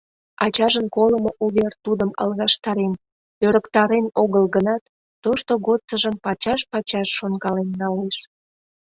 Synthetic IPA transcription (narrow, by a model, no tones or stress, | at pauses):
ɑt͡ɕɑʒənkoləmoʔuβert̪ud̪əmɑ̰lɣɑʃt̪ɑɾen | øɾəkt̪ɑɾenoɣəlɣənɑt̪ː | oʃt̪oɣot̪t͡səʒəmpɑt͡ɕɑʃpɑt͡ɕɑʃːonɡɑlenːɑleʃ